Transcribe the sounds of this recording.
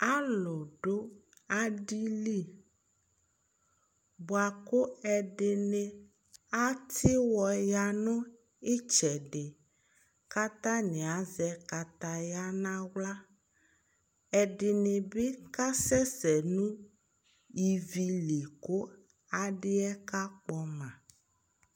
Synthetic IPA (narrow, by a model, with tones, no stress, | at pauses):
a˦lʊ˨ɖo˦ | a˦ɖi˦li˦ | bo˨a˨ko˦ɛ˨ɖɪ˨nẽ˨ | a˦t̪ʰi˦wɔ˨ja˦nʊ̃˦ | e˦t͡ʃɛ˨ɖɪ˨ | ka˦t̪ã˦nẽ˨a˨˦zɛ˦ka˨t̪a˦ja˦nã˦wla˦ | ɛ˨ɖɪ˨ne˨be˦ka˦sɛ˦sɛ˨nũ˦ | ji˨vi˨li˨ko˦ | a˨ɖɪ˦ɛ˦ka˦k͡pɔ˦mã˨